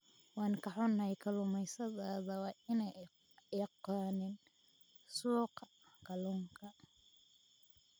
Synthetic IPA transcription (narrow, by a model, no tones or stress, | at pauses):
wɑːŋkɑħɔnːɐjkʰɐlʊmɛjsɐðaːðɐwɑːɪnɛj | qɑːnɪn | suːqɑ | kʰɐlʊŋkʰɐ